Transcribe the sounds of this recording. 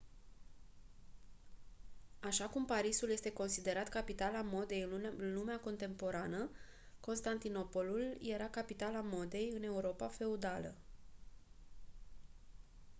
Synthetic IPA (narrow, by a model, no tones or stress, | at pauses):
aʃakumpaɾisulje̞st̪e̞ko̞nsid̪e̞ɾat̪kapit̪alamo̞d̪e̞jɨnlumeako̞nt̪e̞mpo̞ɾanə | ko̞nst̪ant̪ino̞po̞lulje̞ɾakapit̪alamo̞d̪e̞jɨne̞uɾo̞pafe̞ud̪alə̰